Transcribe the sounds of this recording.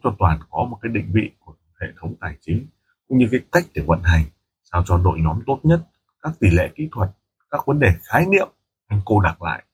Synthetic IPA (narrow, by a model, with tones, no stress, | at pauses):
ŋ͡mt͡ɕɔ˧t̪waː˨˩nkɔ˨˦mo˨˩kaː˨˦jɗï˧˨ŋ̟vḭ˧˨ku˧˩ə | hḛ˧˨t̪ʰə˨˦wŋ͡mt̪aː˨˩jt͡ɕï˨˦ŋ̟ | kʊ̰˧˥ŋ͡mɲɨ˧kaː˨˦k̪a˦˥jk̚t̪ʰi˧˩wvə̰˧˨nɦa˨˩jŋ̟ | saː˧wt͡ɕɔ˧ɗo̰˧˨jɲɔ˨˦mt̪o˦˥t̚ɲə˦˥t̚ | kaː˦˥k̚t̪i˧˩lḛ˧˨kḭ˧˥t̪ʰwə˨˩t̚ | kaː˦˥k̚və˨˦nɗe˨˩xaː˨˦jnḭ˧˨əm | ʔa˧jŋ̟ko˧ɗa˨˩k̚la̰ː˧˨jʔ